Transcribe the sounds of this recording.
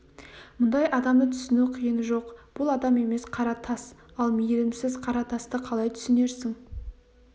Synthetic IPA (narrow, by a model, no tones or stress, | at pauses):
mʊnd̪ɑjʔɑd̪ɑmd̪ət̪ʰʏ̥sɪnuqʰijənʒo̞qb̥ʊlˠɑd̪ɑme̞me̞sqʰɑɾɑt̪ʰɑsɑlˠmejelɪmsɪzqʰɑɾɑt̪ʰɑst̪əqʰɑlˠɑjt̪ʰʏ̥sɪne̞ɾsɪŋ